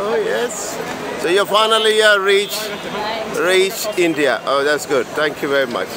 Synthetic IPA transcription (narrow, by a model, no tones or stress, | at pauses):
ojɛs | sojɔfaɪnəlijəɹit͡ʃ | ɹit͡ʃɪ̃ndiə̰ʔoːðætsɡʊd̚θæ̃ŋkʰjuvɛɹima̰t͡ʃ